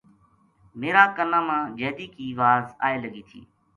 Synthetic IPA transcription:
meːɾaːkənãːmãːd͡ʒeːd̪iːkiːʋaːza̰ːeːləɡiːt̪ʰḭː

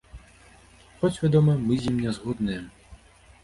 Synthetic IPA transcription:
xɔt͡sʲʋʲed̪ɔmɐmɪzʲimnʲazɦɔd̪nɛjɛ

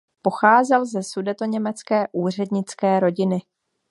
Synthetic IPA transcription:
po̞xaːzɛlzɛsudɛt̪o̞ɲɛmɛt͡skɛːʔuːr̝ɛdɲɪt͡skɛːɾo̞ɟɪnɪ

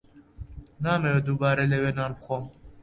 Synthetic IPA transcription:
naːmɛwed̪uːbɑːɾelewenaːnbxʷoːm

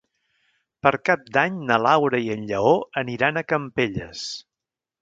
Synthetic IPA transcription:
pəɾkap̚d̪aɲnəlawɾəiənʎəoəniɾanəkəmpeʎəs

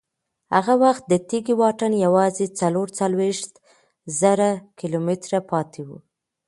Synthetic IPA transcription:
ha̰ɣawaxt̪̚d̪ət̪iɡiwɑʈanjawɑzet͡saloɾt͡salweʃt̪ | zaɾakilomɪt̪ɾapɑt̪ʰewṵ

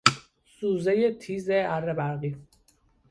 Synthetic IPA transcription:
suːzejet̪ʰiːzeæɾːebæɾɣi

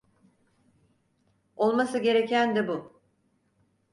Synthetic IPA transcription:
o̞lˠmasɯɟe̞ɾe̞cʰænd̪ɛbu

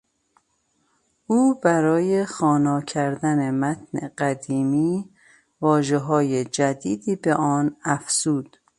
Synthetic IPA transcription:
ʔuːbæɾɒːjexɒːnɒːcʰæɾd̪ænemæt̪ʰnḛɢæd̪iːmiː | vɒːʒeɦɒːjed͡ʒæd̪iːd̪iːbe̞ʔɒːnæfz̥uːd̪̥

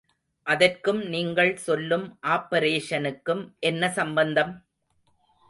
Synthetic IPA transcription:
ʔɐðɐrkɯmniːŋɡɐɭsɔlːɯmʔaːpɐɾeːʂɐnɯkːɯmʔɛnːɐsɐmbɐnd̪ɐm

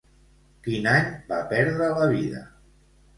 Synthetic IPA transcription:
kinaɲbapɛɾðɾələβiðə̰

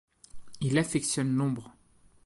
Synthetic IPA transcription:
ilafɛksjɔnːɔ̃bʁ

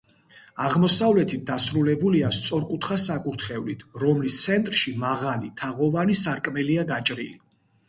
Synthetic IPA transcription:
aʁmɔsavlɛt̪ʰit̪̚d̪asɾulɛbuliast̪sʼɔɾkʼut̪ʰχasakʼuɾt̪ʰχɛvlit̪ʰɾɔmlist̪sʰɛnt̪ʼɾʃimaʁalit̪ʰaʁɔvanisaɾkʼmɛliaɡat͡ʃʼɾili

